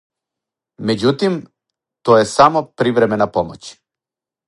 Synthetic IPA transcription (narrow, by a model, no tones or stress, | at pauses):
med͡ʑut̪im | t̪ojɛsamopɾiʋɾɛmɛnapomo̰t͡ɕ